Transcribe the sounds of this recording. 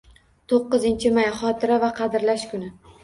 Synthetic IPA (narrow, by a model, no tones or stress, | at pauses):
t̪ʰoqːɨzɪnt͡ʃʰɪmajχɒt̪ʰɪɾavaqʰɑd̪ɪɾlaʃkʰʊnɪ